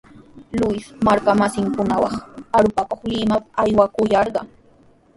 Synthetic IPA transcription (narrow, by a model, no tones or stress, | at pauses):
lʊjsmaɾkamasɪŋkʊnawɑ̰χaɾʊpakoχlɪmapajwakʊjɑɾɢɑŋ